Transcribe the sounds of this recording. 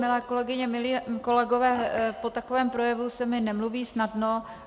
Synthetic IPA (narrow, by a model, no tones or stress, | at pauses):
mɪlɛːko̞lɛɡɪɲɛmɪliːko̞lɛɡo̞vɛːpo̞t̪ako̞vɛːmpɾo̞jɛvusɛmɪnɛmluviːsnadno